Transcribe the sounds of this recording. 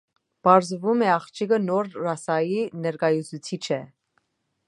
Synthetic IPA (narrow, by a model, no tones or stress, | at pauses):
pɑɾzvumɛɑχt͡ʃʰikənɔɾɾɑsɑjinɛɾkɑjut͡sʰut͡sʰit͡ʃʰɛ